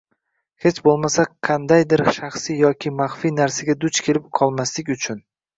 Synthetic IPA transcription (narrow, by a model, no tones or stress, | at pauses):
he̞t͡ʃbolˠmasaqʰɑnd̪ajd̪ɪɾʃaχsijɒkʲʰɪmaχfinaɾsaɡʲad̪ʊt͡ʃkʲʰe̞lɪp̚qʰɒlˠmaslɪkʲʊt͡ʃʰʊn